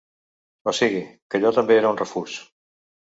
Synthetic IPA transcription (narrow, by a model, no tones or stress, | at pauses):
osiɣikəʎɔt̪ambeeɾaunrefuʃ